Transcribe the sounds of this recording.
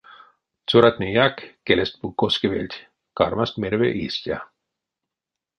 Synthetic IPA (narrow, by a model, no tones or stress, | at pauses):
t͡suɾat̪nʲijakːelest̪̚pukːoskevelʲt̪ʲ | kɑɾmast̪meɾvḛʔist̪ʲja̰